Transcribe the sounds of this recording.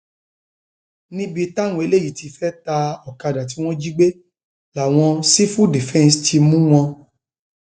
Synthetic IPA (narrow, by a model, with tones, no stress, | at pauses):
nĩ˦bi˧ta˦˨wũ˦˨e˧le˦˨ji˨ti˧fɛ˦ta˧ɔ˨ka˧da˨ti˨˦w̃ɔ̃˦d͡ʒi˦ɡ͡be˦ | la˨w̃ɔ̃˧si˦fu˦di˨fɛ̃˦˧nstʰi˧mũ˦w̃ɔ̃˧